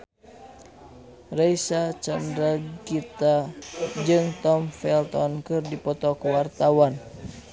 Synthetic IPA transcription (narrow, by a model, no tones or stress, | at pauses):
rajsat͡ʃamdɾaɡit̪ad͡ʒɨŋt̪ɔmfɛlt̪ɔnkɨrdipɔt̪ɔkəwart̪awan